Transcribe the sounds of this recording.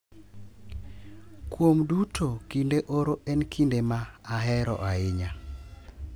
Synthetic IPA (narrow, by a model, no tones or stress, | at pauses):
kwomdutʰokindeʔoɾoɛnkʰindemaːɦɛɾɔ̰ʔaɪɲa